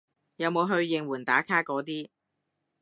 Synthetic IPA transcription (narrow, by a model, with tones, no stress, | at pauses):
jɐ˨˧wmo˨˧wɦɵ˧ɥjɪ˨˧ŋwuː˨˩nt̪aː˨˥kʰaː˥kɔː˨˥t̪iː˥